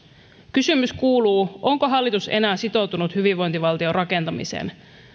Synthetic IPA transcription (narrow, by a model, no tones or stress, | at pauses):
kysymyskuːluːʔo̞ŋko̞ɦɑlːit̪use̞̰næːsit̪o̞wt̪unut̪hyʋiʋʋo̞jnt̪iʋɑlt̪io̞rʔɑke̞nt̪ɑmḭsḛːn